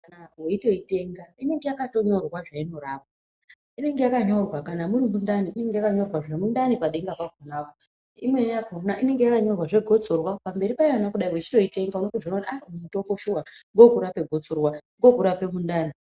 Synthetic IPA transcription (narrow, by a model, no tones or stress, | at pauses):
kanaweito̞ite̞ŋɡaine̞ŋɡe̞jakato̞ɲo̞rwaʐaino̞ɾaːʋa | ine̞ŋɡe̞jakaɲorwakanamurimundaniine̞ŋɡejakaɲo̞rwaʐemundanipaɗe̞ŋɡapaɡ̚ʱonawa | imwenjakonaʔine̞ŋɡe̞jakaɲo̞rwaʐe̞ɡʱo̞t͡sorwapambe̞ɾipaianakuɗaiwet͡ʃi̥to̞ite̞ŋɡaunoteʐononamumutoŋboʃuwaŋɡo̞kuɾape̞ɡʱo̞t͡sorwaŋɡo̞kuɾape̞mundaːni